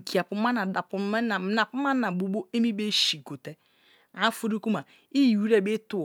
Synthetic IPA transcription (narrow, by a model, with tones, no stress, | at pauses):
ki˨a˨pʊ˨m̩˦ma˦na˨da˨pʊ˨˦˨na˨pʊ˦a˦n̩˦na˨bu˨ɡ͡bo˦e˦mi˦be˦ʃi˨ɡo˨te˦ | a˦fu˦ɾu˦ku˦ma˨ | i˦˨wu˦ɾe˦˨be˦tʊ˦˨